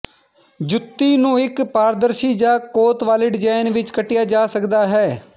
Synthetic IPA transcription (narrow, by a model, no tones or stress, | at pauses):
d͡ʒʊt̪ːiːnũːɪkpaːɾd̪əɾʃiːd͡ʒaːkoːt̪ʋaːlɪɖɪd͡ʒaːɪnʋɪt͡ʃkəʈːɪjaːd͡ʒaːsəkd̪aːɦɛː